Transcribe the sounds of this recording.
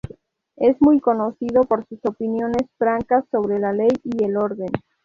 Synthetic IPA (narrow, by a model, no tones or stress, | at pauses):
e̞zmujko̞no̞siðo̞po̞ɾsuso̞pinjo̞ne̞sfɾaŋkasːo̞βɾe̞lale̞jie̞lo̞ɾðe̞n